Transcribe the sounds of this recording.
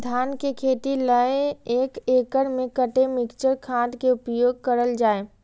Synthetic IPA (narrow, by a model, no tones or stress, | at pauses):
d̪ʱaːnkekʰeːt̪iləeeːkeːkəɽmẽkəʈemɪkt͡ʃəɾkʰãːʈkeʊpjoːɡ̚kəɾəld͡ʒaːe